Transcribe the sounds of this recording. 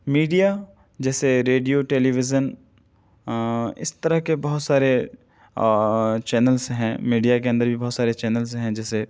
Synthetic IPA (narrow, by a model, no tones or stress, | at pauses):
miːɖija | d͡ʒɛːseɾeːɖijoʈeːliʋɪd͡ʒən | ɪ̰st̪ɐɾəɦkebɐɦʊt̪saːɾe | t͡ʃɛːnəlzɦɛ̃miːɖijak̬eɐ̃nd̪əɾbʱibɐɦːt̪saːɾet͡ʃɛːnəlsɦɛ̃d͡ʒɛːse